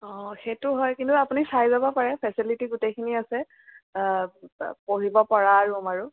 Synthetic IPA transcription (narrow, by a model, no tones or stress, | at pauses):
ɔ̃xetʊɦɔjkintuapunisajzabɔpaɹɛpʰɛsilitiɡutekʰiniasɛ | poɹibɔpaɹaɹumaɹu